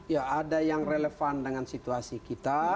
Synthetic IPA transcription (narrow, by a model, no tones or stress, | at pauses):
jaːdajaŋreləfandəŋansit̪uasikit̪a